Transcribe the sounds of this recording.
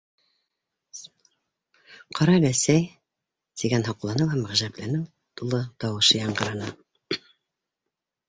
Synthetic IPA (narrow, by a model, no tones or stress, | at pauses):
qʰɑɾɑlæsæj | t̪iɡænɦɑqlˠɑnɤwæmæʁʒæplænɘŋ | t̪ulˠɤt̪ɑwɤ̆ʃɤjɑɴɢɤ̆ɾɑnɤ